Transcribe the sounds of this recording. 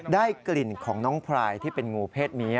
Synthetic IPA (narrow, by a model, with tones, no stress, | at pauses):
daː˥˩jkli˨˩nkʰɔː˩˦ŋnɔː˦˥ŋpʰɾaː˧jt̪ʰiː˥˩pe˧nŋuː˧pʰeː˥˩t̪̚mi˦˥